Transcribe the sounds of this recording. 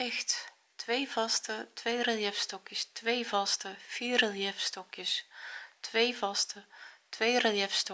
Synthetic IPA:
ɛxt | tʋejvɑstətʋejrelˠjɛfstɔkjəstʋejvɑstəfiːɾelˠjɛfstɔkjəstʋejvɑstətʋejreljɛfstɔ

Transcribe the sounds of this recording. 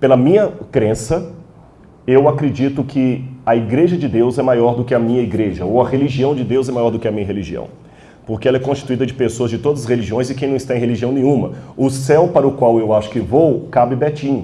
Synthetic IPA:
pelɐmĩɲɐkɾẽsɐ | ewakɾed͡ʒit̪ʊkʰɪɐiɡɾeʒɐd͡ʒɪd̪ewzɛmajɔɾd̪ʊkɪɐmĩɲɐiɡɾeʒɐowɐheliʒiɐ̃w̃d͡ʒɪd̪ewzɛmajɔɾd̪ʊkɪɐmĩɲɐɦeliʒiɐ̰̃w̃ | poɾkeɛlɐɛkõst͡ʃi̥t̪uid̪ɐd͡ʒɪpesoɐzd͡ʒɪt̪od̪ɐzɐsʁeliʒiõj̃zɪkẽj̃nɐ̃w̃ɪst̪aẽɦeliʒiɐ̃w̃nẽɲũmɐʊsɛwpaɾɐʊkwawewaʃʊ̥kɪvowkabɪbɛt͡ʃĩɲʊ

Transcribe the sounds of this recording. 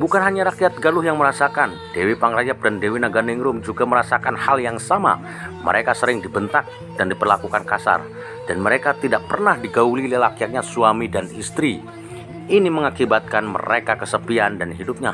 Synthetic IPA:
bukanɦaɲaɾakiat̪̚ɡalʊɦjaŋməɾasakan | dewipaŋrajap̚dandewinaɡanɪŋɾʊmd͡ʒuɡaməɾasakanhaljaŋsama̰ | mə̰ɾʔekasəɾɪŋdibənt̪ak̚ | dandipərlakukankasa̰r | d̥anməɾekat̪idaʔpərnahdiɡaulilelakiak̚ɲasuamidanist̪ɾi | iniməŋakibat̪̚kanmə̰ɾekakəsəbiandanɦidʊp̚ɲa̰

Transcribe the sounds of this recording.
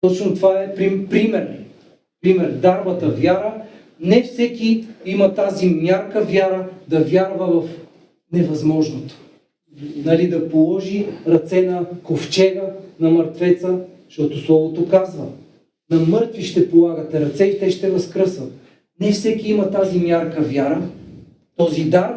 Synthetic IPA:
t̪ɔt͡ʃnot̪ovaɛpɾipɾimɛɾɛ̰ | pɾimɛɾd̪aɾbət̪əvjaɾə | nɛfsɛkiimɐt̪azimʲjaɾkəvʲjaɾəd̪ɐvjaɾvəvɐf | nɛvɐzmɔʒnot̪o̥ | nɐlid̪ɐpolˠɔʒiɾɐt̪sɛnɐkoft͡ʃɛɡənɐmɐɾt̪vɛt̪sə | ʃt̪ɔt̪oslˠɔvot̪okazvə̰ | nɐmɤɾt̪viʃt̪ɛpolˠaɡət̪ɛɾɐt̪sɛit̪ɛʃt̪ɛvɐskɾɤsvət̪̚ | nɛfsɛkiimɐt̪azimjaɾkəvʲjaɾə | t̪ɔzid̪aɾp

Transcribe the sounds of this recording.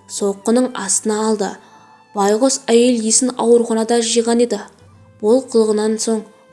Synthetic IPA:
so̞qːənəɴɑst̪ənɑːlˠd̪ə̰ | bɑjʁosæje̞ljesɪnɑ̰wəɾuχɑnɑd̪ɑʒijʁɑne̞d̪ɪ | bolˠqʰʊlˠəʁənɑnso̞ɴ

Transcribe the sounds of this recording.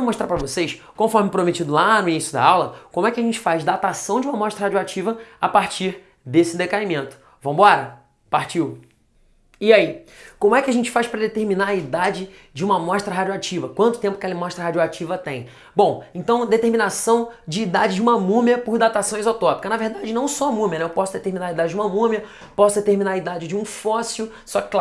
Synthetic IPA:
moʃt̪ɾapɾɐvosejs | kõfɔɾmɪpɾomet͡ʃid̪ʊlanʊinisjʊd̪a̰awlɐkõmʊɛkɪɐʒẽnt͡ʃɪ̥fazd̪at̪asɐ̃w̃d͡ʒiũmɐmɔʃt̪ɾɐhad͡ʒuat͡ʃivɐapaɾt͡ʃiɾ | d̪esɪd̪ekaimẽnt̪ʊ̥ | vɐ̃w̃bɔɾɐ | paɾt͡ʃiw | iaikõmʊɛkʲɪɐʒẽnt͡ʃɪ̥fajʃpɾɐd̪et̪eɾminaɾɐid̪ad͡ʒɪ | d͡ʒɪũmɐmɔʃt̪ɾɐɦad͡ʒoat͡ʃivɐkwɐ̃nt̪ʊ̥t̪ẽpʊ̥ɐkɛlɐmɔʃt̪ɾɐɦad͡ʒuat͡ʃivɐt̪ẽj̃ | bõw̃ẽnt̪ɐ̃w̃d̪et̪eɾminasɐ̃w̃d͡ʒɪːd̪ad͡ʒɪd͡ʒɪũmɐmũmjɐpʊɾd̪at̪asɐ̃w̃ɪzot̪ɔpi̥kɐnɐveɾd̪ad͡ʒɪnɐ̃w̃sɔɐmũmiɐnɛewpɔsʊd̪et̪eɾminaɾɐid̪ad͡ʒɪd͡ʒɪũmɐmũmiɐ | pɔsʊd̪et̪eɾminaɾɐid̪ad͡ʒɪd͡ʒɪũfɔsiʊ | sɔkɪ̥kl

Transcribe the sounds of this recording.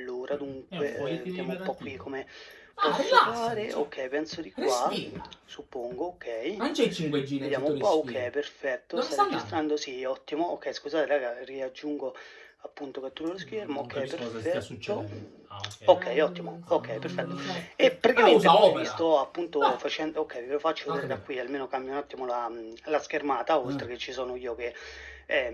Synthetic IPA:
lːuːɾad̪uŋkweved̪jaːmoumpɔkːwikʰːome | ɔssfaːɾeo̰kʰːɛjpɛnsod̪ikwasupːoŋɡookʰːɛjɛived̪jaːmoumpɔokʰːɛjperfɛt̪ːost̪ad͡ʒist̪ɾand̪osiɔt̪ːimookːɛjskuzaːt̪eɾaɡariad͡ʒːuŋɡo | apːunt̪oket̪ːulolosk̟ermookʰːɛjpeɾfɛtt̪ːo | okʰːɛjɔt̪ːimookʰːɛjperfɛt̪ːoepːeɾkeɔt̪ːmvistt̪ɔapːunt̪ofat͡ʃɛnd̪okʰːɛjlofat͡ʃːod̪ɛɾɡ̪akːwialmeːnokambjanɔt̪ːimolalask̟ermaːt̪aolt̪ɾeket͡ʃːisɔːnoiːok̟eɛ

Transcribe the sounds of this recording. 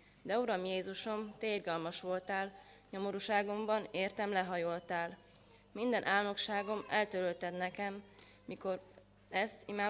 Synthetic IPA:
d̪ɛuɾɒmjeːzuʃo̞mt̪eːrɡɒlmɒʃʋo̞lt̪aːl | ɲo̞mo̞ɾuːʃaːɡo̞mbɒneːrt̪ɛmlɛɦɒjolt̪aːl | mind̪ɛnʔaːlno̞kʃaːɡo̞mɛlt̪øɾølt̪ɛt̪nɛkɛmː | iko̞ | ɛst̪imaː

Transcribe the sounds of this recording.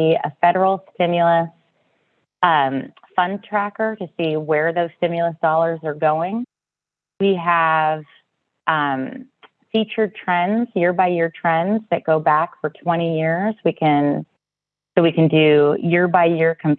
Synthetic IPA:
ə̰fɛɾə˞l̩ˠstɪ̃mjl̩ˠəs | ʌ̃mfʌ̃ntʰɹ̥ækə˞ɾɨsiwə˞ðoʊz̥stɪ̃mjl̩ˠəsd̥ɔlˠə˞zə˞ɡoʊɪ̃ŋ | wiəv̥ | ʔʌ̃m | fit͡ʃə˞tʰɹ̥ɛ̃nzjɪɹbaɪjɪɹtʰɹ̥ɛ̃nzðɨt̚ɡ̥oʊbækfə˞tʰw̥ɛ̃ɾ̃ijɪɹz̥wikʰɨ̃n | soʊwikɨ̃ndɨjɪɹbaɪjɪɹkʰʌ̃m

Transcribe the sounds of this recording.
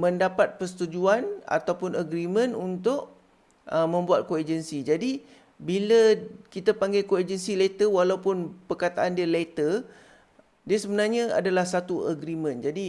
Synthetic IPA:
mə̃ndapat̪̚pərsə̥t̪ud͡ʒuana̰t̪awpʊnəɡɾimə̃nunt̪ʊʔ | əmə̃mbuat̪̚koed͡ʒənsid͡ʒadi | biləkit̪apaŋɡajkoed͡ʒənsilet̪əwalawpʊnpərkat̪aʔandiəlet̪ər | diəsəbənarɲãa̰dalahsat̪uəɡɾimə̃nd͡ʒadi

